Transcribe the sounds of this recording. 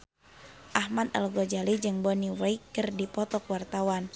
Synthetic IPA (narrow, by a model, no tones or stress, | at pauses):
ʔahmad̪a̰lɡɔd͡ʒalid͡ʒɨŋbɔniwɛjkɨrdipɔt̪ɔkwart̪awan